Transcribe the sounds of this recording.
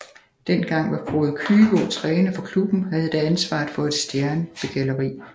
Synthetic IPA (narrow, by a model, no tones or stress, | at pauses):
d̥en̰ɡ̥ɑ̈ŋ̰ʋɑ̈foːð̩ˠkʰyːɡ̥ɔ̰t͡sʰʁɛːnəfɒ̽kʰlub̥n̩ɦæð̞̩ˠe̥eænsʋɑ̰̈ːdˠfɒ̽e̝d̥sd̥jæɐnəb̥e̝ɡ̥ælɐʁḭː